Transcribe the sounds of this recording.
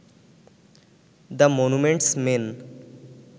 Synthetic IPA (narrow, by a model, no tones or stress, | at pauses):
d̪əmonumẽɳʈsmen